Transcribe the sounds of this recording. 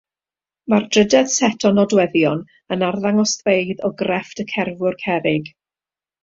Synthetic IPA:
mard̥rədɛd̥sɛtʰɔnɔdwɛðjɔn | ənarðaŋɔsθveɨðɔɡrɛftəkʰɛrvʊrkʰɛɾɪɡ̥

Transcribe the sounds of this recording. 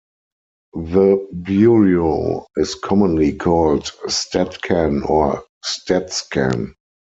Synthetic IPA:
ðəbjuɹioɪskʰɔmə̃nlikʰɔːltstʰɛtkʰæ̃nɔ | stɛtskæ̰̃n

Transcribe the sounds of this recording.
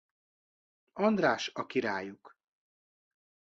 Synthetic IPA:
ɒnd̪raːʃɒkiɾaːjuk

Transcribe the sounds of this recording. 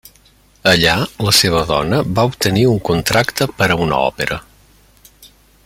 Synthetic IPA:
əʎaləseβ̞əðɔ̰nəβaup̚t̪əniuŋkunt̪ɾakt̪əpəɾəunə̰ɔ̰peɾə

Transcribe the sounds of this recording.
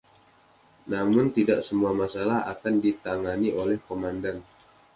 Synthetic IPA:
namʊnt̪idaʔsəmuamasalaɦa̰kandit̪aŋaniʔolɛhkomandan

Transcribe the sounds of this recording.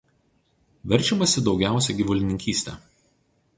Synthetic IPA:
ʋʲɛɾʲˑt͡ʃʲɛmɐsʲɪd̪ɒʊɡʲæˑʊsʲɛɡʲiʋʊlʲɪnʲɪŋʲkʲiːsʲt̪ʲɛ̰

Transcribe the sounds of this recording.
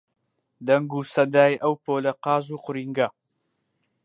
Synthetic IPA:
d̪ɐŋɡuːsɐd̪aːjʔɐwpʰoːlɐqɑːzuːqʊɾiːŋɡɐ

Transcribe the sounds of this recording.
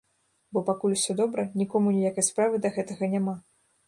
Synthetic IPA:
bɔpakulʲuwsʲɔd̪ɔbɾɐnʲikɔmunʲijakɨjspɾavɨd̪ɐɣɛt̪ɐɣɐnʲama

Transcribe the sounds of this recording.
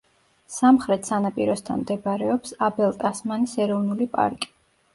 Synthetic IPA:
samχɾɛt̪ʰsanapʼiɾɔst̪ʰa̰nmd̪ɛbaɾɛɔpsabɛlˠt̪ʼasmanisɛɾɔvnulipʼa̰ɾkʼi̥

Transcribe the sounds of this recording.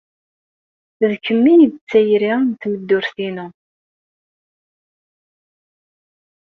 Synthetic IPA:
ðkːəmːinit͡sːæjɾint̪məd̪ːʊɾθinu

